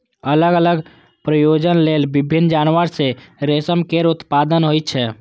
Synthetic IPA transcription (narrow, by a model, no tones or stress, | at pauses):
ələɡələɡ | pɾəjod͡ʒənlelbibʱinːd͡ʒaːnʋəɾseɾesəmkeɾut̪pad̪ənɦojt̪t͡ʃʰɛ